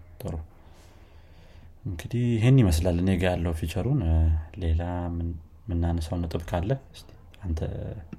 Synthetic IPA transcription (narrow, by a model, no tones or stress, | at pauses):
t̪ʼə̰ɾu | ɨŋɡɨd̪ihjɪɦe̞nːiməslalːɨnjeɡəjalːəwufit͡ʃʼəɾunle̞la | mɨnːanəsəwnɨt̪ʼɨbkʰalːəɨst̪ʰi̥ | ant̪ʰə̰